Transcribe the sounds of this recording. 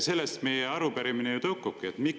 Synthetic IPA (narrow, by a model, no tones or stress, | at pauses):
se̞lːest̪me̞jeɑɾupæɾiminejut̪ɤwkːukːˑiet̪mik